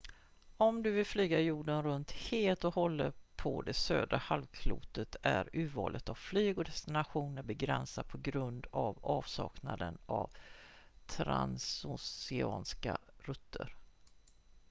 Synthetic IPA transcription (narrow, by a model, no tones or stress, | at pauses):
ɔmd̪ɵvɪlflyːɡajuːɖənɾɵnt̪heːlt̪ɔhɔlːəpʰɔd̪ɛsøːd̪ɾahalvkʰlṵːt̪ət̪ʰæɾʉ̟ːvɑːlʔət̪avflyːɡɔd̪ɛst̪ɪnaɧuːnəɾbɛɡɾɛnsad̪̚pʰɔɡɾɵnd̪avɑːvsɑːknad̪ənav | t̪ʰɾansʊsɪɑːnskaɾɵt̪ʰːəɾ